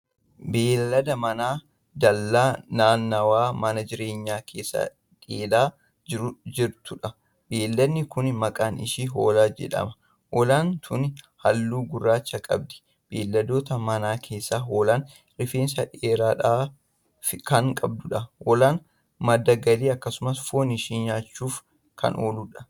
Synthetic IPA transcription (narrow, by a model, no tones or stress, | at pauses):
be̞ːlːɐd̪ɐmɐnaː | d̪ɐlːaːnaːnːɐwaːmɐnɐd͡ʒɪɾe̞ːɲːaːkʰe̞ːsːa̰ː | ᶑeːlaː | d͡ʒɪɾʊd͡ʒɪɾt̪ʊᶑɐ | be̞ːlːɐd̪nːɪkʊnmɐkʼaːnɪ̰ʃiɦo̰ːlaːd͡ʒɛ̰ᶑɐ̰mɐ̥ | wʔɔlaːnt̪ʰʊn | hɐlːuːɡʊrːaːt͡ʃːɐkʼɐ̰b̚d̪ɛ̥ | b̥eːlːɐd̪o̞ːt̪ɐmɐnaːkʰe̞ːsːaːɦo̞ːlaːn | ɾɪfeːnsɐᶑeːɾaːᶑaː | fɪkɐŋkʼɐb̚d̪ʊᶑɐwʔɔlaːn | mɐd̪ːɐɡɐliːɐkːɐsʊmɐsfoːnɪʃiːnjaːt͡ʃːuːf | kʰɐ̰noːluᶑɐ̥